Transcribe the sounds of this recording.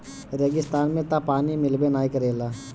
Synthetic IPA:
ɾeɡɪst̪aːnmẽt̪apaːnimɪlbenaːjkəɾeːlaː

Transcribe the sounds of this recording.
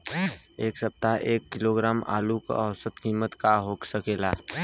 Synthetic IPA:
eːksəp̚t̪aɦʔeːkːɪloːɡɾaːma̰ːlukɔwsət̪kiːmət̪kaɦoːksəkeːlaː

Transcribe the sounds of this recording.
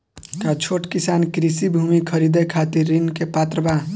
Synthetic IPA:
kat͡ʃʰoʈkisankɾisibʱumikʰəɾid̪ekʰat̪iɾːinkepat̪ɾəba

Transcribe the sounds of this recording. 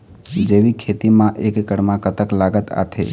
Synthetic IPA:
d͡ʒeʋikʰet̪imãʔeːkkəɽmãkət̪əklaːɡət̪a̰t̪ʰḛ

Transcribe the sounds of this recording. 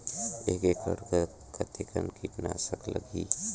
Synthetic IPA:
eːkekə̰ɾkə | kat̪ikəmkiʈnasəklə̰ɡiː

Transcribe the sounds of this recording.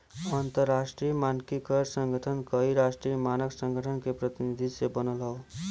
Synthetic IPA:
ʌnt̪ʌrːasʈɾijəmankikʌɾsʌŋɡʱʌʈʰʌnkʌɦiɾasʈɾijəmanʌksʌŋɡʱʌʈʰʌnkepɾʌt̪inid̪ʱisebʌnʌlɦʌw

